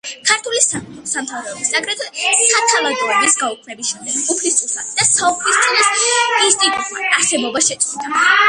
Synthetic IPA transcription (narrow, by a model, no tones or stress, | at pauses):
kʰaɾt̪ʰulisasamt̪ʰavɾɛɔbisakʰʼɾɛt̪ʰɔsat̪ʰavad̪uɛbisɡaukʰnɛbisʃɛmd̪ɛɡupʰlist̪ʼut̪ʰat̪d̪̥asauχʰlist̪sʼinasist̪ʼikʼaɾsɛbɔbaʃɛt̪sʼud̪a